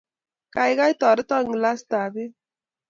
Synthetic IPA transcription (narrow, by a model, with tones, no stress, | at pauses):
ka˨jɣa˦jtɔ˨ɾɪ˦tɔ˦˨ŋ˨la˦sta˨bɪ˦